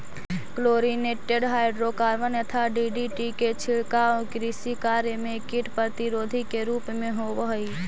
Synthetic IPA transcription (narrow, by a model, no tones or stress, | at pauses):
kloːɾineːʈeɖɦaːɪɖɾokaːɾʋənjət̪ʰaɖiɖiʈiket͡ʃʰɪɭkaokɾisikaːɾjemẽkɪʈpɾət̪iɾoːd̪ʱikeɾuːpmẽɦobəɦi